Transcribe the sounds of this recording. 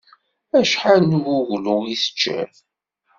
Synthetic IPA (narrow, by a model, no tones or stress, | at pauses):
æʃħanwʊʝluiθə̥t͡ʃːæ̰